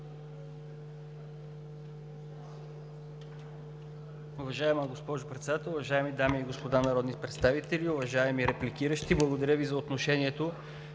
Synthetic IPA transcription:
ʊvɐʒaɛməɡospɔʒʊpɾɛt̪sɛd̪at̪ɛlˠʊvɐʒaɛmid̪amiiɡospod̪anɐɾɔd̪nit̪pɾɛt̪st̪avit̪ɛliʊvɐʒaɛmiɾɛplik̟iɾəʃt̪iblˠəɡod̪ɐɾʲəvizɐot̪noʃɛniɛt̪o

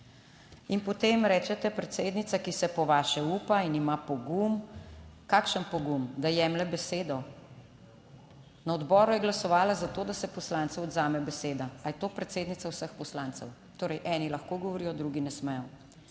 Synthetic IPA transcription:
inpɔt̪emɾɛːt͡ʃɛt̪ɛpɾɛt̪seːd̪nit̪sakisɛpɔʋaːʃɛuːpainimapɔɡumkaːkʃənpɔɡumd̪ajɛːmlɛbɛseːd̪ɔ | nɐɔd̪bɔːɾujɛɡlasɔʋaːlazat̪oːd̪asɛpɔslaːnt̪sɛwɔd̪zaːmɛbɛseːd̪aajɛt̪oːpɾɛt̪seːd̪nit̪sawsəxpɔslaːnt̪sɛw | t̪oːɾɛjʔɛːnilaxkoːɡɔʋɔɾijɔd̪ɾuɡinɛsmɛjɔ

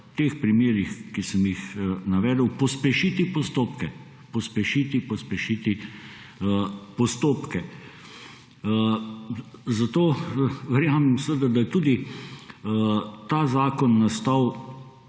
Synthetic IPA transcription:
t̪eːxpɾimeːɾixkisəmjixnaʋɛːd̪əwpɔspɛʃit̪ipɔst̪oːpkɛ | pɔspɛʃiːt̪ipɔspɛʃit̪i | pɔst̪oːpkɛ | zat̪oːʋɛɾjaːmɛmsəʋəd̪ad̪ajɛt̪uːd̪i | t̪aːzaːkɔnːast̪aw

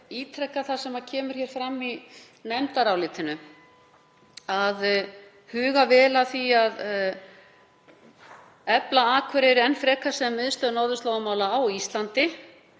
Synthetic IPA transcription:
iːt̪ʰɾɛhkːaθasɛmacʰɛːmʏɾ̥çɛːɾ̥fɾamːi | nɛmt̪aɾawlɪːt̪ɪnʏ | að | hʏːɣavɛːlaθiað | ɛplaaːkʰvɛɾɪɾɛnfɾɛːkasɛmːvɪðst̪œːðnaːwðʏst̪laːwɣʏmaːwlaːwist̪lant̪ɪ

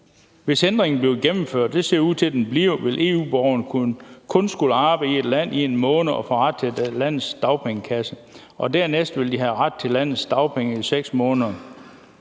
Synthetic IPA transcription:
ʋe̝send̥ʁeŋn̩bliʊɡ̥emm̩føɐ̰d̥̚ːe̝se̝ɐuð̰ˠt͡sʰe̝ld̥enb̥liʊʋe̝lʔe̝̰ːṵːb̥ɒʊɐnkʰɔ̽nsɡ̥uləɑ̈ːb̥əie̝d̥læn̰ʔienmɔ̽ːnð̩ˠɒ̽fɒ̽ʁɑd̥̚t͡sʰe̝læn̰ð̩ˠsd̥ɑ̈ʊpʰeŋəkʰæsə | ʔɒ̽dæɐ̰nesd̥ʋe̝ld̥iɦæʁad̥̚t͡sʰe̝læn̰ð̩ˠsd̥ɑ̈ʊpʰeŋəiseɡ̥smɔ̽ːnðˠɐ

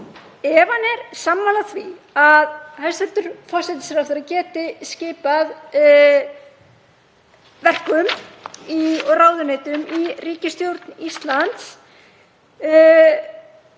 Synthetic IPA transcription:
ɛvanɛɾ̥samːaːlaθviaðhalst̪ɛlt̪ʏɾ̥fɔr̥sɛt̪ɪ̥sɾawft̪ɪɾacɛːt̪ɪsceːpað | vɛr̥kʏmiɔɣraːwðʏneːjt̪ʏmiriːcɪst̪jowɾt̪nist̪lant̪s

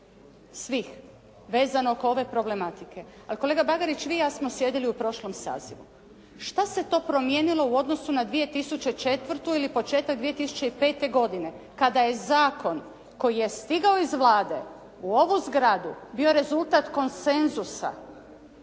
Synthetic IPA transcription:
sʋix | ʋe̞ːzanookoo̞ʋe̞pɾo̞ble̞mat̪ikʰe̞ | alikole̞ːɡabaɡaɾit͡ɕʋijaːsmosje̞d̪iliupɾo̞ʃlo̞msa̰ːziʋṵ | ʃt̪ase̞t̪o̞ːpɾo̞mje̞ːnilo̞uo̞d̪no̞sunad̪ʋije̞t̪isut͡ʃe̞t͡ʃe̞t̪ʋrt̪uilipo̞t͡ʃe̞ːt̪aɡd̪ʋije̞t̪isu̥t͡ɕe̞ipe̞ːt̪e̞ɡo̞d̪ine̞ | kad̪aje̞zaːko̞n | ko̞jije̞st̪iɡaoizʋlˠaːd̪e̞̰ | uo̞ʋuzɡɾad̪ubio̞ɾe̞zulˠt̪at̪ko̞nse̞nzusa̰

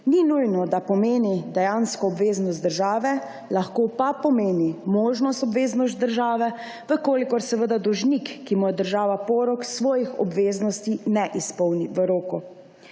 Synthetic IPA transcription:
ninujnɔd̪apɔmeːnid̪ɛjanskɔːbʋeːznɔs̬t̪d̪əɾʒaːʋɛ | laxkoːpapɔmeːnimoːʒnɔst̪ɔbʋeːznɔst̪̚d̪əɾʒaːʋɛ | ʋəkoːlikɔɾsɛʋəd̪ad̪ɔwʒnikːimujɛd̪əɾʒaːʋapɔːɾɔksʋɔːjixɔ̰bʋeːznɔst̪inɛʔispɔwniʋəɾoːku

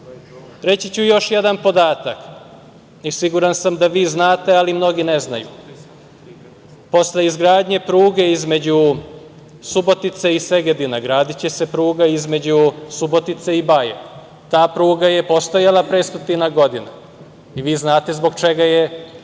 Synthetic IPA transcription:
ɾe̞t͡ɕit͡ɕujo̞ʃje̞d̪anpo̞d̪aːt̪ak | isiɡuɾansamd̪aʋiːznaːt̪ealimno̞ɡineznajṵ | po̞sle̞izɡɾaːd̪ɲe̞pɾuːɡe̞izme̞d͡ʑu | subo̞t̪it̪se̞ise̞ɡed̪inaɡɾaːd̪it͡ɕese̞pɾuːɡaizme̞d͡ʑusubo̞t̪it̪seibajḛ | t̪aːpɾuːɡaje̞po̞st̪ojalˠapɾeːst̪ot̪inaɡo̞d̪ina | iʋiːznaːt̪e̞zbo̞ɡt͡ʃe̞ɡaje

